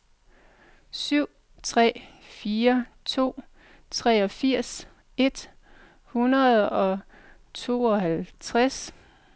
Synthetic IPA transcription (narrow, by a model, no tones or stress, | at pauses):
syʊ̰ | t͡sʰʁɛ̰ːfiːɐt͡sʰo̝̰ː | t͡sʰʁɛːɒ̽fiɐ̰s | e̝d̥ | hunɐð̩ˠɒ̽ | t͡sʰo̝̰ːɒhælt͡sʰʁas